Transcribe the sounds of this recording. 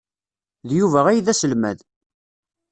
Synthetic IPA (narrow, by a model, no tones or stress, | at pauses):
ðjuvæʁæjðæsəlmæ̰ð